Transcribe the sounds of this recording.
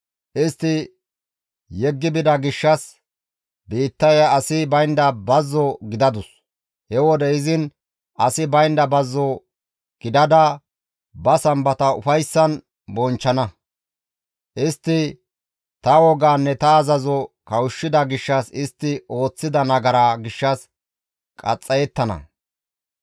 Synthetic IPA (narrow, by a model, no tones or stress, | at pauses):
ʔɪst̪ːɪ | jɛɡːɪbɪd̪ɐɡɪʃːɐs | biːt̪ːɐjɐːsɪbɐjnd̪ɐbɐzːɔɡɪd̪ɐd̪ʊs | hɛwɔd̪ɛɪzɪn | ʔɐsɪbɐjnd̪ɐbɐzːɔ | ɡ̥ɪd̪ɐd̪ɐ | bɐsɐmbɐt̪ɐʊfɐjsːɐn | bɔnt͡ʃːɐnɐ | ʔɪst̪ːɪ | t̪ɐwɔɡaːnːɛt̪ɐːzɐzɔkɐwʊʃːɪd̪ɐɡɪʃːɐsɪst̪ːɪo̞ːt͡sːɪd̪ɐnɐɡɐɾaɡɪʃːɐs | kʼɐt͡sʼːɐjɛt̪ːɐnɐ̰